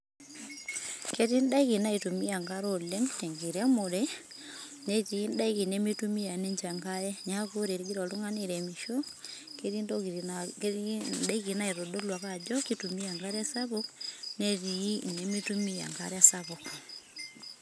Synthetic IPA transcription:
ke˦ti˦n˦da˦i˦ki˨na˦i˨tu˨mi˦a˨ŋɡa˦ɾo˨le˦ŋte˨ŋɡi˨ɾe˦mo˨ɾe˦ | ne˦ti˨i˦nda˦iki˨ne˦mi˦tu˦mi˦a˨ne˦ɲt͡ʃa˨ŋɡa˦jɛ˦ɲa˦ko˦ɾe˨ɾi˦ɡi˦ɾɔ˨lu˦ŋa˦ni˦ɾe˨mi˨ʃo˦ke˦ɾi˦ndo˦ki˨ | nda˦iki˨na˦i˨ɾo˨do˦lwa˨ka˨d͡ʒɔ˦ki˦tu˨mi˦a˨ŋɡa˦ɾa˦sa˦βo˦kne˦ti˨i˦ne˦mi˦tu˦mi˦a̰˨ŋɡa˦ɾa˨saβo˨k

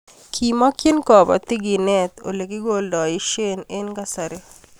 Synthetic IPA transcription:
kʰi˨ma˦kje˦nkɔ˨ba̰˨t̪ɪ˦ɡi˨nɛt̪o̰˨le˨ki˦ɡo˦ldɔ˨ɪ˦ʃe˦ne˦nka˦sa˨ɾe˦

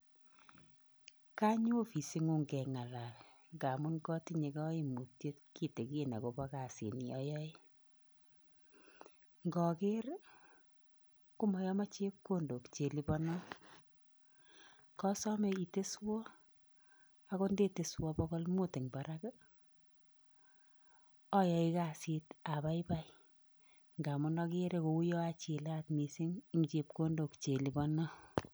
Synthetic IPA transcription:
ka˦ɲ˦o˦fi˨si˦ŋu˦ŋɡɛ˨ŋa˨la˨r | ŋɡa˨mu˦nkɔ˦ti˦ɲe˨kɔ˦i˨mu˨tje˦tki˦te˨ki˦na̰˨ko˨ba˦ka˨sḭ˨ni˨ɔ̰˦jɔ˦ɪ˦ | ŋɡɔ˨ke˦r | ku˦mɔ˨jɔ˦ma˦t͡ʃe˦kːo˦ndo˨kt͡ʃe˨li˦bɔ˦nɔ˦ | kɔ˦sɔ˦me˨i˨te˦swɔ˦ | a˦ko˦nde˦te˨swɔ˦bɔ˦ɡɔ˦lmu˦te˨ŋba˨ɾa˦k | ɔ˦jɔ˨i˦ka˨si˦ta˨ba˦iba˦j | ŋɡa˨mɔ˦nɔ˦ke˦ɾe˦ko˨u˦jɔ˦a˦t͡ʃi˨la˦tmi˨si˦ŋm˨t͡ʃe˨p̚ko˦ndo˨kt͡ʃe˨li˨bɔ˦nɔ˦

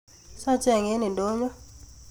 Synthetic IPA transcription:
sa˦t͡ʃɛ˦˨ŋe˦ni˨ndo˦ɲɔ˦

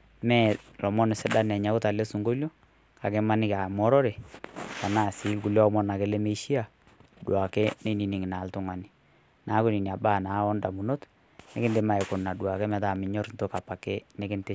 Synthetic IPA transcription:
mɛ˦lɔ˨mɔ˦n˨sɛ˦da˦nɛ˨ɲa˨˦kʊ˦ta˨le˦su˨ŋɡo˦ljo˦ | ka̰˨kɛ˦ma˦nɪ˦ka˨mɔ˦ɾɔ˦ɾe˨ta˨na˦˨si˨˦lku˨ljɔ˦mɔ˦na˨ke˨˦le˦me˦ʃi˦a˨ | dwa˨kɛ˦ne˦ni˨ni˨ŋɪ˨na˨ltʊ˦ŋa˨ni˨ | na˨˦ku˦ni˨ni˨a˨baː˦˨na˨˦ɔ˦nda˨mu˨no˦t | nɛ˦kɪ˦ndɪ˦ma˨ɛ˨ko˨na˨dwa˨kɛ˦mɛ˨ta˨mɪ˨ɲɔ˦ɾnto˦ka˨pa˨ke˦nɛ˦kɪ˦nte˦

